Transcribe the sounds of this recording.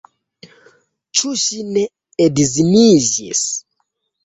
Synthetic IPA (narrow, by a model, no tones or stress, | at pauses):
t͡ʃʰuʃinɛː | dizimizḭs